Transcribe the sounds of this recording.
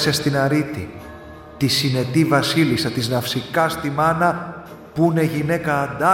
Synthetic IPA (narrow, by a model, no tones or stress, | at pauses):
sest̪inɐɾit̪ḭ | t̪isine̞t̪ivɐsilisɐt̪iznɐfsikɐst̪imɐnɐ | pune̞ʝine̞kɐːd̪ɐ